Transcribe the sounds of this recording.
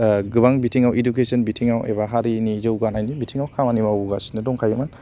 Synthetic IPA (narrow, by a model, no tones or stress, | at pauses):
ɡɯbaŋbitʰiŋawiduk̬esɔnbitʰiŋawḛβaɦaɾinizɯwɡanajnibitʰiŋawkʰamanimawuɡasi̥nɯdɔŋkʰajaman